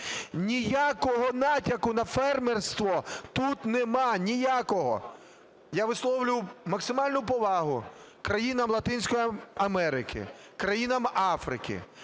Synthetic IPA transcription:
nʲijakɔɦɔnɑtʲɐkʊnɐfɛrmerst̪ʋɔt̪ut̪nɛmɑnʲijakɔɦɔ̰ | jaʋɪslˠɔwlʲʊwmɐksɪmɑlʲnʊpɔʋɑɦʊ̰ | kɾɐjinɐmlˠɐt̪ɪnʲsʲkɔjiɐmɛɾɪkʰɪ̰ | kɾɐjinɐmɑfɾɪkɪ̰

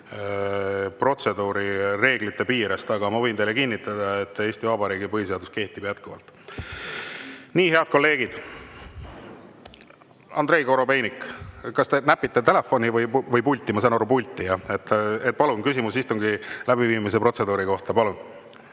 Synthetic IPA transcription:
pro̞t̪se̞d̪uːɾire̞ːɡ̥lit̪ːˑe̞piːɾest̪ɑɡ̥ɑmɑvɤjnt̪ejlekinːit̪ːˑɑd̪̥ɑet̪ːˑe̞ːsʲt̪ivɑbɑɾiːɡipɤɦis̬e̞ɑd̪uske̞ht̪ib̥jæt̪kuvɑ̰lt̪ˑ | niːɦe̞ɑd̪̥̚ko̞lːe̞ːɡid̪̥ | ɑ̰nd̪ɾe̞jko̞ɾo̞pe̞jnikːˑkɑst̪e̞næpːˑit̪ːˑet̪e̞le̞fo̞nivɤjvɤjpulʲt̪ːˑimɑsɑnoɾupulʲt̪ːˑijɑet̪ːet̪̚ːpɑlunkysimusist̪uŋɡilæbiviːmis̬e̞pɾro̞t̪se̞d̪uːɾiko̞ht̪ɑpɑlun

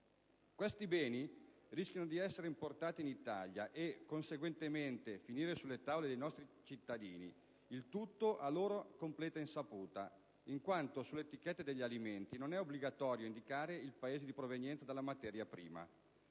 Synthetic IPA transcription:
kwest̪ibɛːniriskjanod̪iɛsːeɾeimport̪aːt̪iːnit̪aʎjaʔekːonseɡwent̪ement̪efiniːɾesulːet̪avoled̪ejnɔst̪ɾit͡ʃit̪ːad̪iːni | ilt̪ut̪ːoʔaloːɾokomplɛːt̪ainsapuːt̪a | iŋkwant̪osulːet̪ikɛt̪ːed̪eʎːaliment̪inonɛobliɡat̪ɔːɾjoind̪ikaːɾeilpaeːzed̪ipɾovenjɛnt̪sad̪elːamat̪ɛːɾjapɾiːma̰

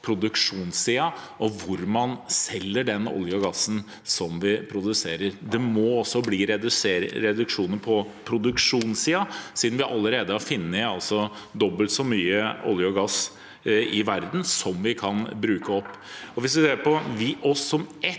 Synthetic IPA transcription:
pʰɾʊd̪ʉkʂuːnsiːɑʔɔʋʊɾmɑnsɛlːəɖɛnɔ̰ljɔɡɑsːn̩ | sɔmʋɪpʰɾʊd̪ʉseːɾəɾd̪ɛmɔɔsːɔbliːɾɛd̪ʉseːɾɾɛd̪ʉkʂuːnənpʰɔ | pʰɾʊd̪ʉkʂuːnsiːɑsiːd̪n̩ʋɪʔɑlːəɾeːd̪əɑɾfɪnːəɑlsɔd̪ɔbːəlt̪sɔmyːəɔ̰ljɔɡɑs | ɪʋæɾd̪n̩sɔmʋɪkʰɑnbɾʉːkəɔpːɔʋɪsʋɪseːɾpɔʋɪʔɔsːɔmɛ

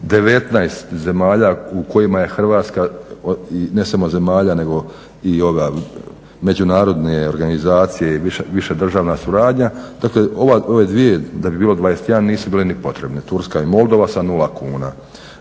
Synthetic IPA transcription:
d̪e̞ʋe̞t̪najst̪ze̞maːʎauko̞jimaje̞xr̩ʋaːt̪ska | ine̞samo̞ze̞maːʎane̞ɡo̞ | io̞ɡa | me̞d͡ʑunaːɾo̞d̪neoɾɡanizaːt̪sije̞iʋiʃeʋiʃed̪r̩ʒaːʋnasuɾaːd̪ɲad̪̥akleoʋao̞ʋe̞d̪ʋije̞d̪abibiːlo̞d̪ʋaːjest̪janniːsubiːlenipo̞t̪ɾe̞bnet̪uɾskaimo̞lˠd̪o̞ʋasanulakuːna

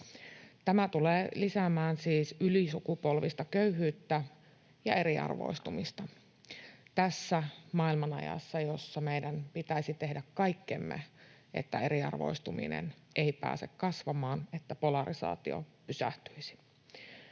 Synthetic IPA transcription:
t̪æmæt̪uleːlisæmæːnsiːsylisukupolʋist̪ɑkøyɦyːt̪ːæ | jɑ̰e̞ɾiɑ̰rʋo̰ist̪umist̪ɑ | t̪æsːæmɑilmɑnɑ̰jɑ̰sːɑjosːɑmeidænpit̪æisit̪e̞hdækkɑjkːḛmːḛ | ʔḛt̪ːæe̞ɾiɑ̰rʋo̞̰ist̪umḭnḛn | ʔeipæ̰ːse̞̰kkɑsʋɑmɑːnet̪ːæpo̞lɑrisɑ̰ːt̪io̰pysæ̰ht̪yisi̥

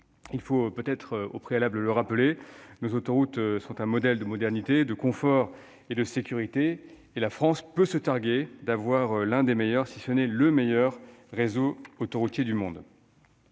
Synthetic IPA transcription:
ilfopøt̪ɛt̪χo̰pχealablələʁapəlenozot̪ɔʁut̪sɔ̃t̪ɛ̃mɔd̪ɛld̪əmɔd̪ɛʁnit̪ed̪əkɔ̃fɔʁ | ed̪əsekʲyʁit̪eː | lafχɑ̃spøsət̪aʁɡʲed̪avwaʁlɛ̃d̪emejœʁsisənɛləmejœʁːezoot̪oʁut̪jed̪ymɔ̃d̪

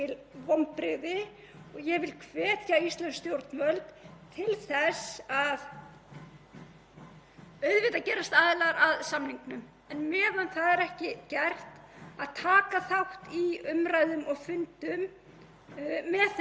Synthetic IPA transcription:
ɪlvɔmpɾɪðɪ | ɔɣjɛɣvɪlkʰvɛːt̪jaist̪lɛnst̪jowɾt̪nvœlt̪t̪ʰɪlθɛsað | œɥðvɪt̪acɛːɾast̪aːðɪlaɾaðsamniŋknʏm | ɛnmɛːðanθaðɛɾɛhcɪcɛr̥t̪aðt̪ʰaːkaθawht̪iʏmɾajðʏmɔɣfʏnt̪ʏm | ɛθ

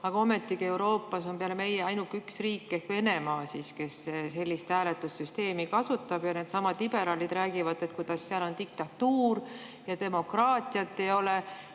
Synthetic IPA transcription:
ɑɡ̥ɑo̞me̞t̪ːˑikie̞wɾo̞ːpːˑɑso̞mpeɑlme̞jeɑjnukːyksriːkːe̞hkve̞ne̞mɑːsiske̞sese̞lʲːist̪hæːlet̪ːˑusːyst̪e̞ːmikɑsut̪ːˑɑb̥jɑne̞ːd̪̥sɑmɑd̪̥lib̥e̞ɾɑlid̪̥ræːɡ̥ivɑd̪e̞t̪̚kujd̪̥ɑsːeɑlo̞nt̪ik̚t̪ɑt̪uːrjɑt̪e̞mo̞krɑːt̪ˑijɑt̪ːe̞jo̞le

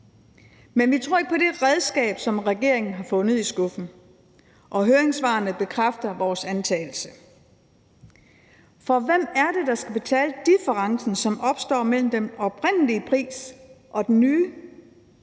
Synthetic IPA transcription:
menʋit͡sʰʁo̝ɐ̰eɡ̥̚pʰɒ̽ɾed̥ʁɛðˠsɡ̥ɛ̰ːb̥sɒ̽mʁɛɡ̥e̝ɐ̰e̝ŋn̩ɦɑ̈fɔ̽nð̩ˠisɡ̥ɔ̽fn̩ | ʔɒ̽ɦøːɐeŋsʋɑ̈ːnəb̥e̝kʰʁafd̥ɐʋɒːsænt͡sʰɛːl̩sə | fɒ̽ʋem̰æɐd̥e̝d̥ɑ̈sɡ̥æb̥e̝t͡sʰɛ̰ːləd̥ifəʁɑ̈ŋsn̩sɒ̽mɒ̽b̥sd̥ɒ̰ːmel̰m̩d̥enɒ̽b̥ʁen̰əliəpʰʁḭːsʔɒ̽d̥enːyː

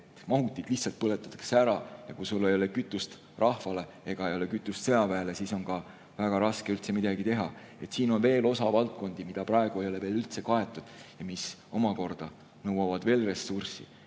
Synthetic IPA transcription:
et̪ːˑmɑɦut̪ːˑid̪̥liçtsɑlt̪̚pɤle̞t̪ːˑɑt̪ːɑ̥kseæɾɑjɑkusulːe̞jo̞lekyt̪ːˑust̪ | rʔɑhvɑle̞ | e̞ɡ̥ɑe̞jo̞lekyt̪ːˑust̪se̞ɑpæːlesiːso̞nkɑ | væɡ̥ɑɾɑske̞ylt̪semid̪ɑɡit̪e̞ɦɑ | et̪siːno̞nve̞ːlo̞sɑvɑlt̪̚ko̞nd̪̥imid̪̥ɑprɑe̞ɡ̥uejo̞le̞veːlylt̪se̞kɑe̞t̪ːˑud̪̥jɑmiso̞mɑko̞rd̪̥ɑ | nɤwɑvɑd̪̥ve̞ːlre̞sːursḭ

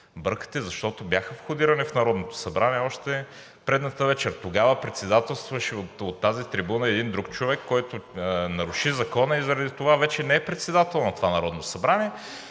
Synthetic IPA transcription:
bɤɾkə̥t̪ɛzɐʃt̪ɔt̪objaxəfxʊd̪iɾɐnifnɐɾɔd̪not̪o̥sɐbɾaniɛɔʃt̪ɛ | pɾɛd̪nɐt̪əvɛt͡ʃɛɾt̪oɡavəpɾɛt̪sɛd̪at̪ɛlˠst̪vɐʃɛot̪ot̪ːazit̪ɾibunəɛd̪ind̪ɾukt͡ʃovɛkːɔjt̪ʊnɐɾʊʃizɐkɔnɐizɐɾɐd̪it̪ovavɛt͡ʃɛnɛɛpɾɛt̪sɛd̪at̪ɛlˠnɐt̪ovanɐɾɔd̪nosɐbɾaniɛ

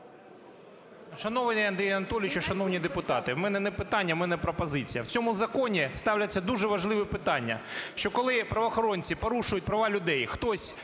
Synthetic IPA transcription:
ʃɐnɔʋnʲiɐnd̪ɾʲijɐnɐt̪ɔlʲɪt͡ʃɪʃɐnɔwnʲid̪epʊt̪ɑt̪ɪmɛnɛnɛpɪt̪ɑnʲːɐmɛnɛpɾɔpɔzɪt͡sʲijɐwt͡sʲɔmʊzɐkɔnʲist̪ɑwlʲɐt͡sʲːɐd̪uʒɛʋɐʒlˠɪʋɪpɪt̪ɑnʲːɐ̰ʃt͡ʃɔkɔlˠɪpɾɐʋɔːxɔɾɔnʲt͡sʲipɔɾuʃʊjʊt̚ʲpɾɐʋɑlʲʊd̪ɛjxt̪ɔsʲ

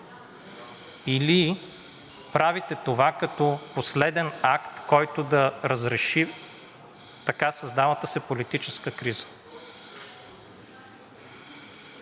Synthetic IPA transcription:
ili | pɾavit̪ɛt̪ovakɐt̪ɔposlɛd̪ɛnakt̪kɔjt̪od̪ɐɾəzɾɛʃi | t̪ɐkasɐzd̪avət̪əsɛpolit̪it͡ʃɛskəkɾizə̥

